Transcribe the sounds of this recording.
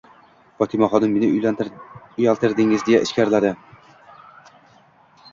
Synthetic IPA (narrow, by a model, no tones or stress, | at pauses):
fɒt̪ʰɪmaχɒd̪ɪmːenɪʊ | ʊjalˠt̪ʰɪɾd̪ɪŋɪzd̪ejaʔɪʃkʲaɾlad̪ɪ